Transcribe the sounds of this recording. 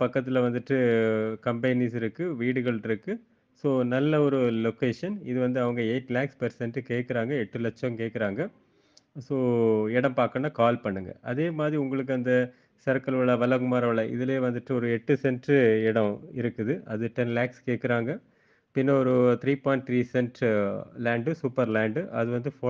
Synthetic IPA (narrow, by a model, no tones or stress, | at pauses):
pɐkːɐt̪̬ːɪlɐʋɐnd̪ɯʈːɯkɐmbɐɪniːsɪɾɯkːɯʋiːɽɯɣɐɭɪɾɯkːɯ | soːnɐlːɐɔɾɯlokeːʂɐnɪðɯʋɐnd̪ɯɐʋɐŋɡɐeːʈːlaːkspɐɾsɛnʈːɯkeːʈkːɪɾaːŋɡɐɛʈːɯlɛt͡ʃːɐ̃mkeːʈkːɪɾaːŋɡɐ | soːɛɽɐ̃mpaːɾkɐnːaːkaːlpɐɳːɯŋɡɐ̰ʔɐðeːmaːðɾiʊŋɡɐɭɯk̬ːɯɐnd̪ɐ | sɐɾkɐlʋɐɭɐʋɐlɐkɯmaːɾɐʋɐɭɐʔɪ̰ðɪleːʋɐnd̪ɯʈːɯɔɾɯɛʈːɯsɛnʈɪɽɐ̃ɪɾɯkːɯðɯʔɐðɯʈɛnlaːkskeːʈkːɪɾaːŋɡɐ | pɪnːɐɔɾɯt̪ʰɪɾiːpoːɪɳʈ̚t̪ʰɾiːsɛnʈɾlaːɳɖɯsuːpːɐɾlaːɳɖʔɐ̰ðɯʋɐnd̪ɯfoː